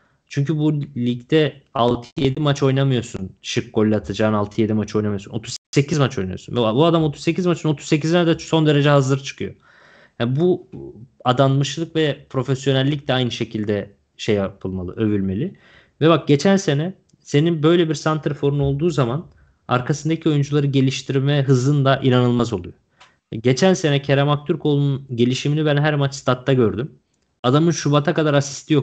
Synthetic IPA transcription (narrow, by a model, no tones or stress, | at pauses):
t͡ʃʰyɲcʰybulʲiɟd̪ɛalˠt̪ʰɯje̞d̪imat͡ʃo̞jnamɯjo̞sunt͡ʃʰɯkɡo̞lʲːat̪ʰad͡ʒaːnalˠt̪ʰɯje̞d̪imat͡ʃʰo̞jnamɯjosunot̪ʰuzse̞cizmat͡ʃʰo̞jna̰josunvɛabuad̪amo̞t̪ʰuzse̞cizmat͡ʃʰino̞t̪ʰuzse̞c̬izinɛd̪aso̞nd̪e̞ɾe̞d͡ʒɛɦazɯɾt͡ʃʰɯ̥kʰɯjo̞̰ | hanbu | ad̪anmɯʃlˠɯkvɛpʰɾo̞fesjo̞nælʲːic̚d̪ɛajnɯʃe̞cʰilʲd̪ɛ | ʃejːapʰɯlˠmalˠɯ̰ø̞vylʲme̞lʲi | vɛbak̚ɟe̞t͡ʃʰænse̞nɛ | se̞ninbø̞jlʲebiɾsant̪ʰɾɯfo̞ɾuno̞lˠd̪uːzaman | a̰ɾkʰasɯnd̪acʰio̞jund͡ʒulˠaɾɯɟe̞lʲiʃt̪ʰiɾmɛɦɯzlˠɯnd̪aʔinanɯlˠmazo̞lˠujo | ɟe̞t͡ʃʰænse̞nɛcʰeɾamak̚t̪ʰyɾkʰo̞lˠununɟe̞lʲiʃiminibænɦæɾmat͡ʃst̪ʰat̪ʰːaɟø̞ɾd̪ym | ad̪amɯnʃubat̪ʰakad̪aɾasi̥st̪ʰijo